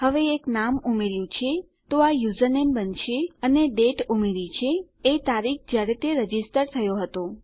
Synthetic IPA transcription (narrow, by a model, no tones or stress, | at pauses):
həʋeːknamumeɾjũt͡ʃʰe | t̪oajuzənembənʃeəneɖeʈumeɾit͡ʃʰeː | t̪aɾik̚d͡ʒjaɾet̪eɾəd͡ʒisʈəɾt̪ʰəjoɦət̪o